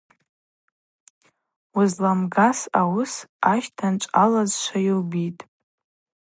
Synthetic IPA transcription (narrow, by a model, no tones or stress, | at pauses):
uzlamɡasawʊsaʃtʰant͡ʃʷʼalazʃʷʰajilbitʼ